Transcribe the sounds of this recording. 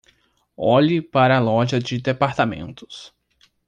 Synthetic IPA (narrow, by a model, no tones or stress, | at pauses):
ɔʎɪpaɾɐːlɔʒɐd͡ʒɪd̪epaɾt̪amḛ̃nt̪ʊ̥s